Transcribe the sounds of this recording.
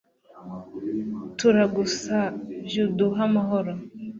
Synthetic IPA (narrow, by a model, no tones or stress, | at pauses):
tuɾaɡusaʒudoɦamaɦɔɾɔ